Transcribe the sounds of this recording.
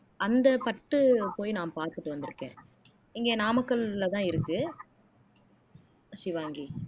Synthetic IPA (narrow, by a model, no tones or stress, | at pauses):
ɐnd̪ɐpɐʈːɯpoːjnaːmpaːɾt̪ɯʈːɯʋɐnd̪ɪɾɯkːḛ̃ː | ɪŋɡeːnaːmɐkːɐɭlɐt̪ãːɪɾɯkːɯ | ʃɪʋaːŋɡi